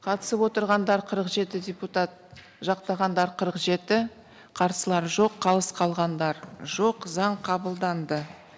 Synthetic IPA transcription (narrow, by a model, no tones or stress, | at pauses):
qʰɑt̪ə̥səpwo̞t̪əɾʁɑnd̪ɑɾqʰəɾəqʒe̞t̪ɪd̪ʲeput̪at̪̚ | ʒɑqt̪ɑʁɑnd̪ɑɾqʰəɾəqʒe̞t̪ɪ | qʰɑɾsəlˠɑɾʒo̞qʰːɑlˠəsqʰɑlˠʁɑnd̪ɑɾʒo̞qzɑɴqʰɑbəlˠd̪ɑnd̪ə